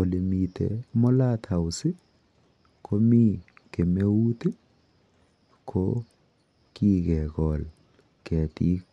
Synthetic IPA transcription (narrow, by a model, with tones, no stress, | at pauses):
o˨le˨mi˨tḛ˨mɔ˦la˦t̪ʰa˨u˨sɪ˦ | kʰo˦mi˦ | ke˨me˦u˦t̪e˦ | kʰo˦ | ki˦ɣɛ˨kɔ˨l | kɛ˨ti˦